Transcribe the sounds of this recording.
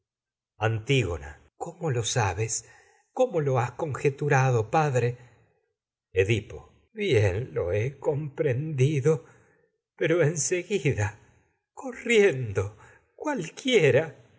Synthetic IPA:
ant̪iɣo̰na̰ | komolo̞saβes | komo̞lo̞asko̞ŋxet̪uɾaðopaðɾe | eðipo̞̰ | βjenlo̞̰eko̞mpɾe̞nd̪iðo̞ | peɾo̞enseɣiða | ko̞rjend̪o̞ | kwalkjeɾa

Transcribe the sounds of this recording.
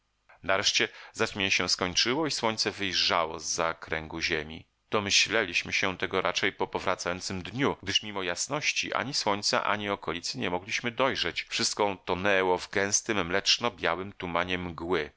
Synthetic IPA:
naɾɛʂt͡ɕɛzad͡ʑmʲeɕɛ̃skɔɲt͡ʂɘwɔiswɔɲʲt̪sɛvɘjʐawɔ̰zːakɾɛŋɡuʑemʲḭ | d̪̥ɔmɘɕlɛlʲiɕmɘɕɛt̪ɛɡɔɾʔat͡ʂɛjpɔpɔvɾat̪sajɔnt̪sɘmd̪ɲuɡ̚d̪ɘʂmʲimɔjasnɔɕt͡ɕḭʔa̰ɲiswɔɲt̪sa̰ʔa̰ɲiɔkɔlʲit̪sɘɲɛmɔɡlʲiɕmɘd̪ɔjʐɛt͡ɕfʂɘst̪̚kɔ̃t̪ɔnɛwɔvɡɛ̃w̃st̪ɘmːlɛt͡ʂnɔbʲjawɘmt̪umaɲɛmɡwɘ

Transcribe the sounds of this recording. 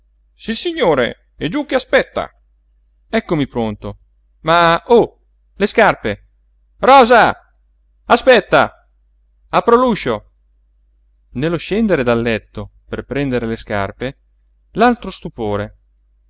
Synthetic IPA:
sisːiɲːoːɾḛ | ɛd͡ʒuk̟easpɛt̪ːa̰ | ɛkːomipɾont̪o | mao | leskarpe | rɔːza | aspɛt̪ːa̰ | apːɾoluːt͡ʃo | nelːoʃɛnd̪eɾed̪alːɛt̪ːoperpɾɛnd̪eɾeleska̰rpe | lalt̪ɾost̪upoːɾe

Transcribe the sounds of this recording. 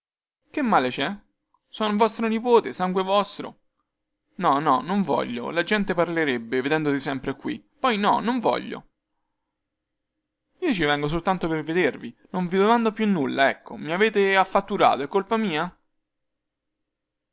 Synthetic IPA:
kemːaːlet͡ʃɛ | sɔːnuvɔst̪ɾonipoːt̪esaŋɡwevɔst̪ɾo̰ | nɔnɔnoɱvɔ̰ʎːo̰lad͡ʒɛnt̪eparleɾebːeved̪ɛnd̪od̪isɛmpɾekwḭpɔjnɔnoɱvɔ̰ʎːo̰ | iːot͡ʃivɛŋɡos̬olt̪ant̪operved̪ervinoɱvid̪omand̪opjunːulːaɛkːomiaveːt̪eafːat̪ːuɾa̰ːt̪oɛkːolpamiːa

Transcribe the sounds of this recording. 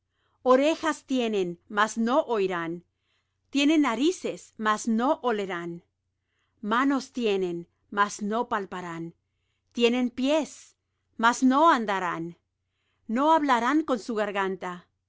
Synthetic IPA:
oɾe̞xast̪je̞ne̞nmazno̞ʔojɾan | t̪je̞nẽ̞nːaɾise̞smazno̞ʔoleɾan | mano̞st̪je̞ne̞n | mazno̞palpaɾan | t̪je̞ne̞npjes | mazno̞and̪aɾa̰nː | o̞aβlaɾaŋko̞nsuɣaɾɣant̪a

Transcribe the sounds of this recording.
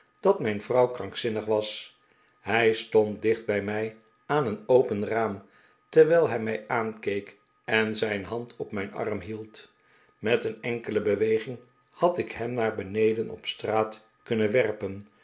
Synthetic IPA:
d̥ɑtmɛjnvrɑwkrɑŋksɪnəχʋɑs | ɦɛjstɔnt̚dɪχd̚bɛjmɛj | aːnənowpənraːm | təɹʋɛjlˠɦɛjmɛjaːnkejk | ɛnzɛjnɦɑntʰɔpmɛjnɑ̰rmɦilˠt | mɛtənɛŋkələbəʋejχɪŋ | hɑtɪkɦɛmnaːɹbənejdənɔ̰pstraːt | kɵnənʋɛrpən

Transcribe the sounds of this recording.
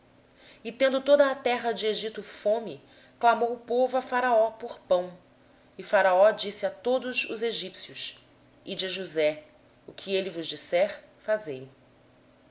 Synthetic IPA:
ɪt̪ẽnd̪ʊt̪od̪ɐːt̪ɛɦɐd͡ʒɪeʒit̪ʊfõmɪ | klamowʊpovʊɐfaɾaɔpoχpɐ̃w̃ | ɪfaɾaɔd͡ʒisɪat̪od̪ʊzʊ̰zeʒipsiʊs | ɪd͡ʒɪʒuzɛ | ʊkʰɪelɪvʊʒd͡ʒisɛɾ | fazej

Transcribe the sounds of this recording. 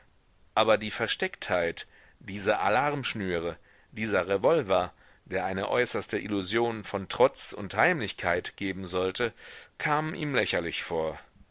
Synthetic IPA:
ʔaːbɐdiːfɛɐʃtɛkthaɪt | d̥iːzɐʔa̰laʁmʃnyːʁə | d̥iːzɐʁevɔlvɐɐ | d̥eːɐʔaɪnə̰ʔɔ̰ʏsɐstəʔɪluzjoːnfɔntʁ̥ɔt͡sʊnthaɪmlɪçkʰaɪtɡ̥eːbm̩zɔltəkʰaːmʔḭːmlɛçɐlɪçfoːɐ

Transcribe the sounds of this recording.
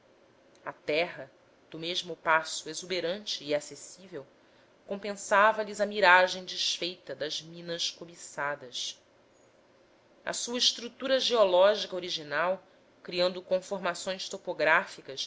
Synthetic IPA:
ɐt̪ɛɦɐ | d̪̥ʊmeʒmʊpasʊezubeɾɐ̃nt͡ʃɪːasesivew | kõpẽsavɐlizɐmiɾaʒẽj̃d͡ʒiʃfejt̪ɐd̪ɐzmĩnɐʃkomisad̪ɐs | ɐ̰suɐiʃt̪ɾut̪uɾɐʒeɔlɔʒikɐoɾiʒinaw | kɾiɐ̃nd̪ʊkõfoɾmasõj̃st̪opoɡɾafikɐʃ

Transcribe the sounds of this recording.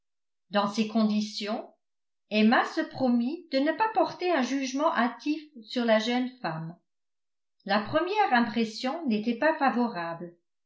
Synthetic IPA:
d̪ɑ̃sekɔ̃d̪isjɔ̃ | ɛmasəpχɔmid̪ənəpapɔʁt̪eɛ̃ʒyʒmɑ̃ʔat̪ʰifsyʁlaʒœnfam | lapχəmjɛʁɛ̃pχɛsjɔ̃net̪ɛpafavɔʁabl

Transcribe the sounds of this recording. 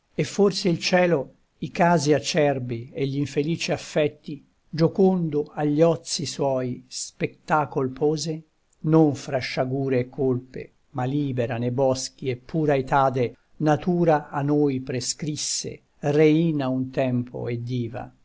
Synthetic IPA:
efːorseilt͡ʃɛːlo | ikaːziat͡ʃːɛrbieʎːiɱfeliːt͡ʃiafːɛt̪ːi | d͡ʒokond̪oaʎːɔt̪sːiswɔːjspek̚t̪aːkolpʰoːze | noɱfɾaʃːaɡuːɾeːkʰːolpḛ | maliːbeɾanebɔsk̟iepʰːuːɾaet̪aːd̪e | nat̪uːɾaːnoːjpɾeskɾisːḛ | reiːnaunt̪ɛmpʰo̰ed̪ːiːva̰

